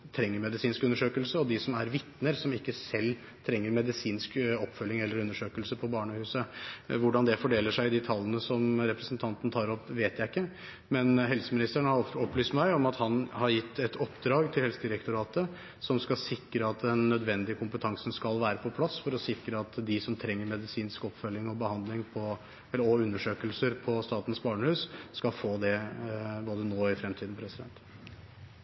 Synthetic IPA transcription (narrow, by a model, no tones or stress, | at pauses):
t̪ʰɾɛŋːəɾmɛd̪ɪsiːnskʉnːəʂøːkəlsəɔd̪ɪsɔmæɾʋɪt̪nəɾsɔmɪkːəsɛlː | t̪ʰɾɛŋːəɾmɛd̪ɪsiːnskɔpːfœlːɪŋɛlːəɾʉnːəʂøːkəlsəpʰɔbɑːɳəhʉːsəʋʊɖɑnd̪ɛfɔɖeːləʂæɪd̪ɪt̪ʰɑlːənəsɔmɾɛpɾəsnt̪ʰɑnt̪ən̩t̪ʰɑːɾɔpːʋeːt̪jæɪɪkːə | mɛnɦɛlsəmɪnɪst̪əɳhɑɔpːlyːst̪mæɪɔmɑt̪hɑnhɑɾjɪt̪ːɛt̪ɔpːd̪ɾɑːɡt̪ʰɪlhɛlsəd̪ɪɾəkt̪ʊɾɑːt̪ə | sɔmskɑsɪkːɾəɑt̪d̪ɛnːœd̪ʋɛnd̪ɪəkʰʊmpət̪ʰɑŋsənskɑlʋæːɾəpʰɔpʰlɑsːfɔɾɔsɪkːɾəɑt̪d̪ɪsɔmt̪ʰɾɛŋːəɾmɛd̪ɪsiːnskɔpfœljɪŋɔbəhɑnd̪lɪŋpʰɔ | ɛɔʉnːəʂøːkəlsəɾpʰɔst̪ɑːt̪n̩sbɑːɳəhʉːsskɑlfoːd̪ɛboːd̪ənoːɪfɾɛmt̪ʰiːd̪n̩pʰɾɛsɪd̪ɛ̰nt̪